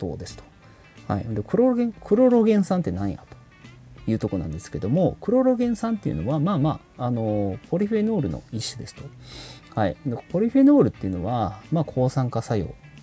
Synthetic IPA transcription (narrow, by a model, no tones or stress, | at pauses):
o̰ːd̪e̞sɨ̥t̪o̥ | ha̰iɯ̃nd̪ekɯ̟ɾooɡẽ̞ŋkʰɯ̟ɾo̞ɾoɡẽ̞ɰ̃sãnt̪e̞nãɰ̃ja̰t̪o̥ | jɯ̟ːt̪o̞ko̞nã̰nd̪e̞sɨ̥ke̞d̪omo̞kɯ̟ɾo̞ɾo̞ɡẽ̞ɰ̃sãnt̪ejɯ̰no̞̰βamaːmaːno̞po̞ɾʲiɸeno̞ːɾɯ̟no̞̰iɕːɨd̪e̞sɨ̥t̪o̞haiɯnd̪epo̞ɾʲiɸeno̞ːɾɯ̟t̪ːeiɯ̟no̞βamaːkʰo̞ːsãŋkasajo̞̰ː